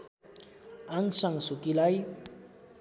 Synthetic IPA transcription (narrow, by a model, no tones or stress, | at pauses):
aŋsʌŋsukilaj